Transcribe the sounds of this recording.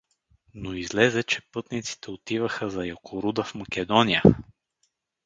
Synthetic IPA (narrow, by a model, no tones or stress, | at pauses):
noizlɛzɛt͡ʃɛpɤt̪nit̪si̥t̪ɛot̪ivəxəzɐjokʰoɾud̪əfmɐkʲɛd̪ɔnijə